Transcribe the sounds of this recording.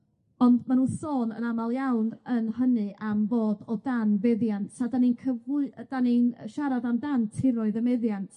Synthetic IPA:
ɔndmanuːnsoːnə̰namalˠjawnənhənɨʔamboːdɔdanvɛðjantʰadaninkʰəvʊd̥aninəʃaɾavamdantʰɪɾɔɨðəmɛðjantʰ

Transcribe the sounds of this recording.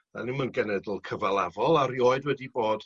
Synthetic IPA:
a̰nimanɡənɛdlˠkʰəvalˠavɔlˠaɾjoɨdwɛdiboːd̥

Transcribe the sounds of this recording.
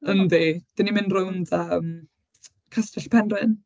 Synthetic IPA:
əndid̥ənimɪnrʊndəːm | kʰastɛɬpʰɛnrɨn

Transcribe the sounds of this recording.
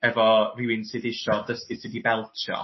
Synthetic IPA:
ɛvɔrɪwɪnsɨðɪʃɔdəstɪ̥sədibɛlˠtʰjɔ̰

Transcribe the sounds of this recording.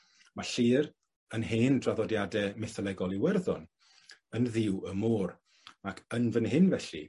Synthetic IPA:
maɬiːr | ənheːndraðɔdjadɛmɛθɔlˠɛɡɔlˠiwɛrðʊn | ənðɪwəmuːr | akʰənvənhɪnvɛɬḭ

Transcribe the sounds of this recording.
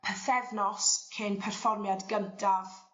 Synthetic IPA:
pʰəθɛvnɔskʰenpʰɛrfɔrmjadɡəntʰav

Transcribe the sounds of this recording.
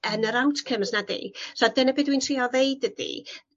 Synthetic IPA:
ənəɾawtʰkʰəmsnadḭsɔdənəbɪːdwintʰriːɔvejdədḭ

